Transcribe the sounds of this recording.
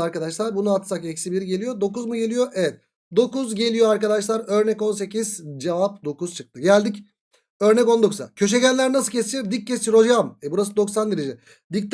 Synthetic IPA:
aɾkad̪aʃlˠaɾbunuat̪sakɛcsibiɾiɟe̞lʲijo̞d̪o̞kuzmuɟe̞lʲijoʔɛvɛt̪̚ | d̪o̞kuzɟe̞lʲijoaɾkad̪aʃlˠaɾø̞ɾnɛko̞nse̞ciz̥d͡ʒevap̚d̪o̞kuz̥t͡ʃʰɯk̚t̪ʰɯɟælʲd̪ic | ø̞ɾnɛco̞nd̪o̞kuza̰cʰø̞ʃɛɟælʲlʲːæɾnas̬ɯlcʰest͡ʃʰiɾd̪ic̚ːest͡ʃ̪iɾo̞d͡ʒamɛbuɾas̬ɯd̪o̞ksand̪iɾed͡ʒɛ | d̪ic̚t̪

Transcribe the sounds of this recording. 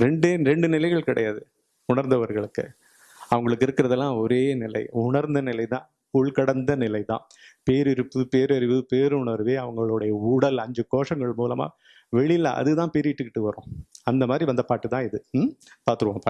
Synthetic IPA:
ɾɛɳɖeːɾɛɳɖɯnɪlɐɪɣɐɭkɪɽɐ̰jaːðɯ | ʊɳɐɾnd̪ɐʋɐɾɣɐɭɯkːɯ̰ | ɐʋɐŋɡɐɭɯkːɪɾɯkːɪɾɐðɛlːãːɔɾeːnɪlɐ̰ɪʊɳɐɾnd̪ɐnɪlɐɪt̪ãː | ʊɭkɐɽɐnd̪ɐnɪlɐɪt̪ã̰ː | peːɾɪɾɯpːɯpeːɾɐɾɪʋɯpeːɾɯʊɳɐɾʋeːɐʋɐŋɡɐɭɯɽɐjɐuːɽɐlɐɲd͡ʒɯkoːʂɐŋɡɐɭmuːlɐma̰ː | ʋɛɭɪlːɐ̰ʔɐ̰ðɯt̪ãːpeːɾɪʈːɯkːɪʈːɯʋɐɾõ̰ːɐnd̪ɐmaːd̪ɾiʋɐnd̪ɐpaːʈːɯt̪ãːɪðɯpaːɾt̪ɯɾɯʋãːpa

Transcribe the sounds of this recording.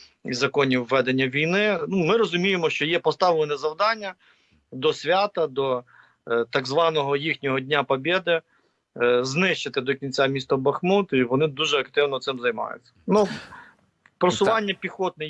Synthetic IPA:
ḭzɐkɔnʲiʋːɛd̪enʲːɐʋʲijnɪnumɪɾɔzʊmʲijemɔʃt͡ʃɔjɛpɔst̪ɑʋɪlˠɪnɛzɐwd̪ɑnʲːɐ | d̪ɔsʲʋʲɑt̪ɐd̪ɔ | t̪ɑɡzʋɑnɔɦɔjixnʲɔɦɔdʲnʲapɔbʲed̪ɪ | znɪʃt͡ʃɪt̪ɪd̪ɔkʲinʲt͡sʲamʲist̪ɐbɐxmut̪iʋɔnɪd̪uʒɛɐkt̪ɪwnɔt̪sɪmzɐjmɑ̰jʊ̰t͡sʲːɐ̥nu | pɾɔsʊʋʋɑnʲːɐpʲixɔt̪̚nɛ

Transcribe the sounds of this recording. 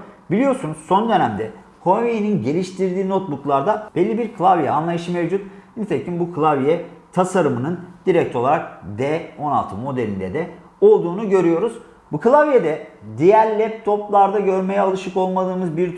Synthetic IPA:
bilʲijo̞ɾsunuz̥so̞nd̪ø̞næmd̪ɛ | kʰo̞nveininɟe̞lʲiʃt̪ʰiɾd̪iːno̞t̪̚buklˠaɾd̪ab̥elːibiɾkʰɯlˠavjɛanlˠajɯʃɯmevd͡ʒut̪̚init̪ʰecʰinbukʰɯlˠavjɛt̪ʰasaɾɯmɯnɯnd̪̥iɾɛc̚t̪ʰo̞lˠaɾak̚d̪ɛo̞na̰lˠt̪ʰɯmo̞d̪elʲind̪ɛd̪ɛ | o̞lˠd̪uːnuɟø̞ɾyjo̞ɾuz̥ | bukʰɯlˠavjed̪ɛd̪ijæɾlʲɛp̚t̪ʰo̞plˠaɾd̪aɟø̞ɾmejɛalˠɯʃɯko̞lˠmad̪ˠɯːmɯzbiɾ

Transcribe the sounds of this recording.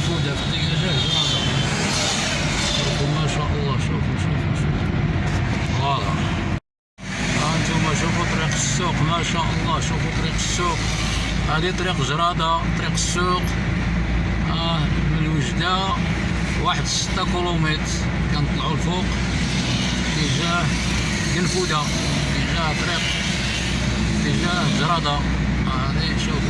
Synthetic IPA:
fud̪æfət̪ːikʒæhdmæd̪ɑm | t̪ˤɾiqumæʃæʔəlˤːɑʃufmæʃæfæʃu | wɑlɑ̰ | æənt̪umæʃ̬ufut̪ˤɾiqəsːuqmæʃæʔəlˤːɑʃufut̪ˤɾiqəsːuqhad̪it̪ˤɾiqʒɾˤɑd̪at̪ˤɾiqə̥sːuq | məlwəʒd̪a | waħəd̪sə̥t̪ːakulumit̪ɾ | kænət̪ˤlʕulfuq | t̪əʒæh | ɡənfud̪a | t̪əʒæt̪ˤɾiq | t̪əʒæ | ʒɾˤɑd̪ɑ | æd̪iʃuf

